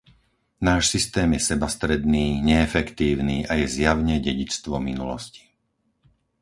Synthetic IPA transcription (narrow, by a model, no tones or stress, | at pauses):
naːʃsist̪ɛːmjɛsɛbast̪ɾɛd̪niːɲɛːfɛkt̪iːʊniːʔajɛzjaʋɲɛɟɛɟit͡st̪ʋɔminṵlɔ̰sci̥